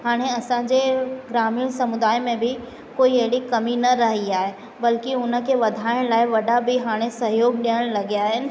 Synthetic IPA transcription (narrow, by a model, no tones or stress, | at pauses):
haːɽ̃eɐsãːd͡ʑeɡɾaːmiːɽ̃sɐmʊd̪aːɪmẽbʱɪ | koːiɐɦɪɽikɐminɐɾɐɦiaːɦe | bɐlkiʊnə̆keʋɐd̪ʱaːɪɽ̃laːɪʋɐɗabʱiɦaːɽ̃esɐɦjoːɡ̚ɗijəɽ̃lɐɡaːɦɪnɪ̆